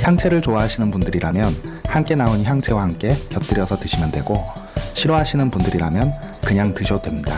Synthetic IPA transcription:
çjaŋt͡ɕʰe̞ɾɯɭt͡ɕoaɦaɕʰinɯnpundɯɾiɾamjʌnhamk͈e̞naonçjaŋt͡ɕʰe̞wahamk͈e̞kjʌt͈ɯɾjʌsʰʌtɯɕʰimjandwe̞̰ɡo | ɕʰiɾoɦaɕʰinɯnpundɯɾiɾamjʌn | kɯɲaŋtɯɕʰʌdwe̞mɲida

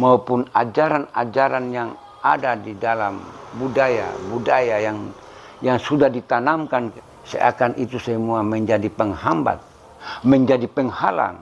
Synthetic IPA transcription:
maupuna̰d͡ʒaɾana̰d͡ʒaɾanjaŋ | a̰dadidalambudaja̰budajajaŋ | jaŋsudahdit̪anamkan | sɛ̰a̰kanʔit̪usɛmuamɛɲd͡ʒadipɛŋhamba̰t̪̚ | mɛɲd͡ʒadipɛŋhala̰ŋ

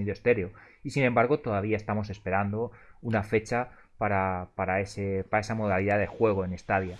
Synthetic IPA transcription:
iðost̪e̞ɾjo | isine̞mbaɾɣo̞t̪o̞ðaβ̞iae̞st̪amo̞s̬e̞spe̞ɾand̪o̞unafe̞t͡ʃa | paɾapaɾae̞sepaɾae̞samo̞ðaliðaðe̞xwe̞ɣ̞o̞e̞ne̞st̪aðja

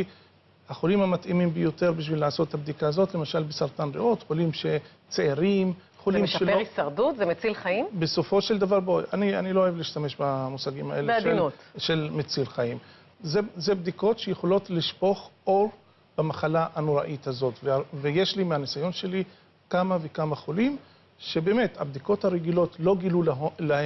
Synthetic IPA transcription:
aχolimhamat̪imimbejo̞teʁbiʃ̬vilːaːso̞t̪eabd̪ikaːzo̞t̪le̞maʃalbesaʁt̪anʁeʔo̞t̪χolimʃe̞ | t͡seeʁim | χolimʃeloisaʁdut̪zemet͡silχaimbe̞so̞fo̞ʃe̞ld̪avaʁboanianilo̞aevliiʃt̪ame̞ʃbamusaɡimaʔeleʃdelnut̪ʃe̞lmet͡silχaim | zezebd̪iko̞tʃejeχolotliʃpo̞χʔo̞ʁ | b̥amaχalaʔanoʁaʔit̪hazo̞tveveje̞ʃlimeanisajo̞nʃe̞li | kamavekamaχolim | ʃe̞beːme̞t̪habd̪iko̞thaʁeɡilo̞tlo̞ɡilullahe

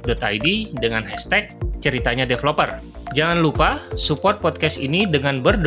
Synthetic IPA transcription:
dot̪ajdidəŋanɦɛst̪ɛk̚t͡ʃəɾit̪aɲadeflopər | d͡ʒaŋanlupasupɔrt̪̚pɔt̪̚kɛsinidəŋanbərd

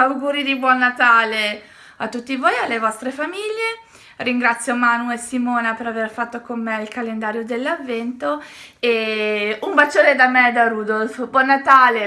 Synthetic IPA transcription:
awɡuːɾid̪ibwɔnːat̪aːle | at̪ːut̪ːivoːjalːevɔst̪ɾefamiʎːe | riŋɡɾat̪sːjomanuesimoːnapeɾaverfat̪ːokomːeilkalend̪aːɾjod̪elːavːɛnt̪o | eumbat͡ʃːoːɾed̪amɛd̪aɾuːd̪olfbwɔnːat̪aːle

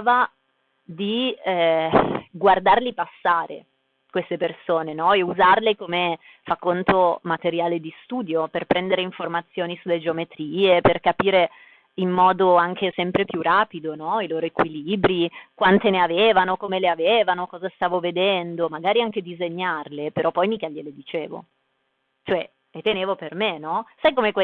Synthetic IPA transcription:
ava | d̪i | ɡward̪arlipasːaːɾḛ | kwest̪epersoːnenɔɛuzarlekome | fakːont̪omat̪eɾjaːled̪ist̪uːd̪joperpɾɛnd̪eɾeiɱformat̪sːjoːnisulːed͡ʒeomet̪ɾiːeperkapiːɾe | imːɔːd̪oaŋk̟esɛmpɾepjuraːpid̪onɔiloːɾoekwiliːbɾikwant̪eneaveːvanokomeleaveːvanokɔːzast̪aːvoved̪ɛnd̪omaɡaːɾiaŋk̟ed̪izeɲːarlepeɾɔpːɔjmikaʎeled̪it͡ʃḛːvo̰ | t͡ʃoɛ | et̪ːeneːvopermenɔsajkomekwe

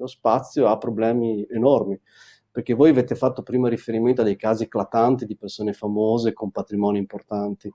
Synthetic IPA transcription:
lospat̪sːjoapːɾoblɛːmienormi | perk̟evoːjaveːt̪efat̪ːopɾiːmaɾifeɾiment̪oad̪ejkaːziklat̪ant̪id̪ipersoːnefamoːzekompat̪ɾimɔːniːmport̪ant̪i

